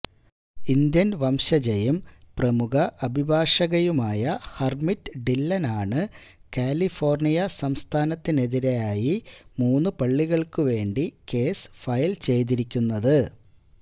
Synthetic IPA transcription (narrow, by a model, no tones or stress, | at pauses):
ind̪jɐnʋɐmɕɐd͡ʑejɐmprɐmuɣɐʔɐbʱibʱaːʂɐɣɐjumaːjɐhɐrmitːɨɖilːɐnaːɳɨ | kaːlifo̞ːrnijɐsɐmst̪ʰaːnɐt̪ːine̞ðiɾejaːjimuːnːɨpɐɭːiɣɐɭkɨʋe̞ːɳɖike̞ːsfɐjlt͡ɕe̞jt̪̬iɾikʲːunːɐðɨ